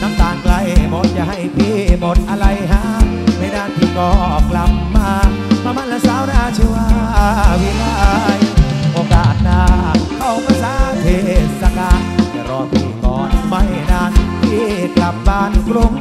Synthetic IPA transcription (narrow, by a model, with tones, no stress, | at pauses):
na˧˩mt̪aː˨˩ŋkla˧jmo˨˩˥t̪̚t͡ɕa̰˧˩ha˧˩jp̪ʰiː˧˩mo˨˩t̪̚ʔa˧ɾa˧jɦaː˧˥ | na˧˩jnaː˧˩˨nt̪ʰiː˧˩kɔː˧˩kla˨˩p̚ːaː˧kmʰaː˧ma˧˥nlaː˧˥saː˧˦wnaː˧˩t͡ɕʰi˧˦waː˧wi˧˥˦laː˧˩jʔoː˧˩kaː˨˩t̪̚ɗaː˧kʰa˧˩wka˧˦laː˧˥ŋheː˧˩˨t̚sa˧kaː˧˩˧t͡ɕa˧˩ɾɔː˧t̪ʰiː˧˩kɔː˨˦tma˧˩jnaː˧˩np̪ʰiː˧˩kla˨˩p̚baː˧˩n˧kɾu˧ŋ